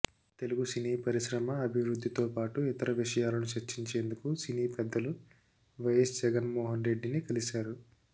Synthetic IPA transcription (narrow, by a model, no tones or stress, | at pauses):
t̪eluɡusiniːpɐɾiʃɾɐmɐːbʱiʋɾud̪ʱːit̪o̞ːpaːʈuit̪ɐɾɐʋiʂɐjaːlɐnut͡ʃɐt͡ʃːiɲt͡ʃe̞ːnd̪ukusiniːpɛd̪ːɐlu | ʋɐjɐsd͡ʒɛɡɐnmɔːɦɐnɾe̞ɖːinikɐlisaːɾu